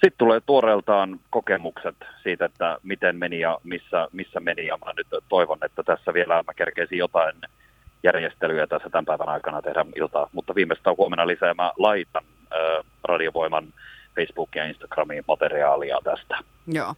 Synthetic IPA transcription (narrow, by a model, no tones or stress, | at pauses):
sit̪t̪uleːt̪uoɾelt̪ɑːnkokemukset̪siːt̪et̪ːæmit̪enmenijɑmisːæmisːæmenijɑmæ̰nyt̪t̪oiʋonːet̪ːæt̪æsːæʋielæmækerkeisijjot̪ɑin | jærjest̪elyæt̪æsːæt̪æmpæiʋænɑikɑnɑt̪ehdæilt̪ɑːt̪mut̪ːɑʋiːmest̪ːæhuomenɑlisæːmælɑit̪ɑn | øː | rɑdioʋoimɑnfeisb̥uːkːijɑinst̪ɑ̥ɡ̥rɑmimɑt̪eɾiɑːliɑ̰t̪æst̪æ̥ | joː